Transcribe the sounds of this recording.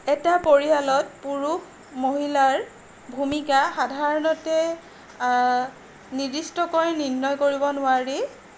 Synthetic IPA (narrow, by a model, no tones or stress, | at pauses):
ɛtapoɹialɔt̚puɹuk | moɦilaɹ | bʱumikaxadʱaɹɔnɔtɛ | nidistɔkoɹninːɔjkoɹibɔnʊaɹi